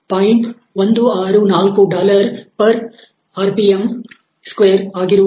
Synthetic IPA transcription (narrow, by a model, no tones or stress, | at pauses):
pɐːjɪɳʈ | ʋɐnd̪ɯaːɾɯnaːlkoːɖaːlɐɾpɐɾ | aːɾpijɐm | skʋeːɾaːɣɪɾ